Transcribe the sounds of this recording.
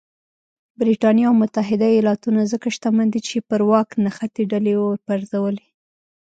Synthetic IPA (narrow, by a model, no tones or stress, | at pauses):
bɾiʈɑnjaawmʊt̪aɦɪd̪aijɑlɑt̪unazəkaʃt̪amand̪it͡ʃepəɾwɑknaxat̪eɖalewoɾpaɾzawəle